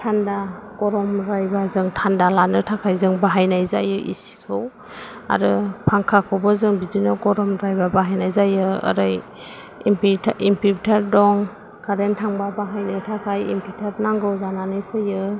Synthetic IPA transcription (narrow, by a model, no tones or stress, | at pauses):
tʰandaɡ̥ɔɾɔmɾajbazɯŋtʰandalanɯtʰakʰajzɯŋbaɦajnajzajɯʔḭsi̥kʰɯw | a̰ɾɯpʰaŋkʰakʰɯwbɯzɯŋbidinɯɡɔɾɔmɾajbabaɦajnajzajɯə̰ɾaj | mpimpʰiɾtʰaɾdɔŋ | kaɾentʰaŋbabaɦajnɯtʰakʰajḭmpʰitʰaɾnaŋɡɯwzananɯjpʰɯjɯ